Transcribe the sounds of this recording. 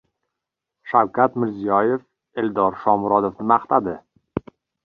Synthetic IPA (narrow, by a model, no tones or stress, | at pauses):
ʃawkʰʲat̪mɪɾzijɒjef | eld̪ɒɾʃɒmʊɾɒd̪ofnɪmaχt̪ad̪ɪ